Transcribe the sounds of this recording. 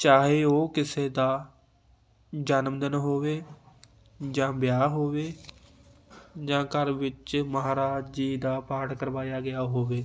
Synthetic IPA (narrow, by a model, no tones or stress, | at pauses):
t͡ʃaːɦeːoːkɪseːd̪aː | d͡ʒanmd̪ənɦoːʋeː | d͡ʒãːbɪjaːɦoːʋeː | d͡ʒãːkəɾʋɪt͡ʃməɦaːɾaːd͡ʒiːd̪aːpaːʈkəɾʋaːjaːɡɪjaːɦoːʋeː